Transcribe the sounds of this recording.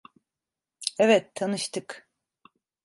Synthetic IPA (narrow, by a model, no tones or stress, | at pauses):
ɛvɛt̪ːʰanɯʃt̪ʰɯk